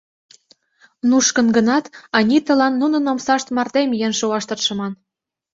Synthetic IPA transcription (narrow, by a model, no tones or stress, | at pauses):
nuʃkə̆nɡə̆nɑt̪ɑnʲit̪ə̆lɑnːunɤ̆nomsɑʃt̪mɑrt̪emjenʃuɑʃt̪ɤ̆t̪ʃɤ̆mɑn